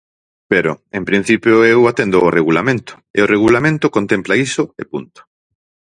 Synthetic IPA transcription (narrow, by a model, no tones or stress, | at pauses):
peɾo̰empɾin̟θipjoewat̪end̪oːreɣulamẽnt̪ʊ̥ɪoreɣ̞ulamẽnt̪okont̪emplaisʊepṵnt̪o̥